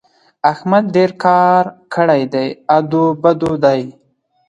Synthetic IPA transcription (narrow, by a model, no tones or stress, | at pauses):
axmad̪̚ɖeɾkʰɑɾkʰəɽajd̪ajad̪obad̪od̪aj